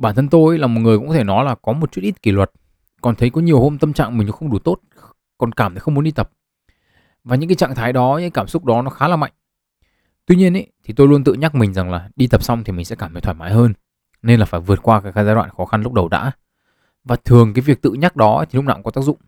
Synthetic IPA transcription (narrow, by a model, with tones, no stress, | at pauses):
ɓaː˧˩nt̪ʰə˧nt̪o˧jlaː˨˩mo˨˩t̚ŋɨ˨˩əkkɔ˨t̪ʰe˧˩nɔ˨˦jlaː˨˩kɔ˨˦mo˨˩t̚t͡ɕu˦˥t̚ʔi˦˥t̚ki˧˩lwə˨˩t̚ | kɔ˨˩nt̪ʰə˨˦jkɔ˨˦ɲi˨˩əwho˧mt̪ə˧mt͡ɕa̰ː˧˨ŋmï̟˨˩nɔ˨˦xə˧wŋ͡mɗu˧˩t̪o˦˥t̚ | kɔ˨˩nkaː˧˩mt̪i˨˦xə˧wŋ͡mmu˨˦nɗi˧t̪ə˨˩p̚ | vaː˨˩ɲɨ̰˧˥ŋkaː˨˦jt͡ɕa̰ː˧˨ŋt̪ʰaː˨˦jɗɔ˨˦ɲɨ̰˧˥kːa˦kaː˧˩msʊ˦˥k͡p̚ɗɔ˨˦nɔ˨˦xaː˨˦laː˨˩ma̰˧˨jŋ | t̪wi˧ɲi˧ənʔe˨˦t̪ʰi˨˩t̪o˧jlu˧ənt̪ɨ̰˧˨ɲa˦˥k̚mï˨˩ŋ̟za˨˩ŋlaː˨˩ɗi˧t̪ə˨˩p̚sa˧wŋ͡mt̪ʰi˨˩mi˨˩ŋ̟sɛ̰˧˥kaː˧˩mʰhi˨˦t̪ʰaː˧˩maː˨˦jɦəː˧n | ne˧nlaː˨˩faː˧˩jvɨ˨˩ət̚kwaː˧kaː˧˩kaː˧˩zaː˧wa̰ː˧˨nxɔ˨˦xa˧nlʊ˦˥k͡p̚ɗə˨˩wɗa̰ː˧˥ | vaː˨˩t̪ʰɨ˨˩əŋkaː˨˦jvi˨˩ək̚t̪ɨ̰˧˨ɲa˦˥k̚ɗɔ˨˦t̪i˨˩lʊ˦˥k͡p̚naː˨˧kɔ˨˦t̪aː˦˥k̚zʊ̰˧˨ŋ͡m